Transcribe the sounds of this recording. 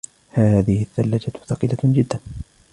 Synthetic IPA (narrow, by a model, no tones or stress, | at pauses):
haːðɪhɪθːalːad͡ʒḁθɑqilad͡ʒɪd̪ːan